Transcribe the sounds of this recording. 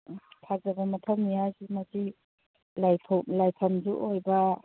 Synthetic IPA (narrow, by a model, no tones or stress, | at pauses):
tʰazabɐmɐtʰɐwmnijazimasi | lajpʰlajpʰamzuʔojbɐ